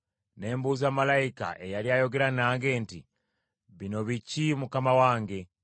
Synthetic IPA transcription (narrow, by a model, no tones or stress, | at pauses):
ne̞ːmbuːzamalaika̰ʔe̞jaɾiajo̞ɡe̞ɾanaːŋɡe̞ːnti | βino̞βicimukamawaːŋɡe̞